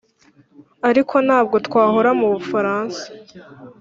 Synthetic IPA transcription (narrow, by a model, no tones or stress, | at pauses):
aɾikʰo̞nhaːb̚ɡo̞tkwaːɦo̞ɾamuβufaɾaːnsḁ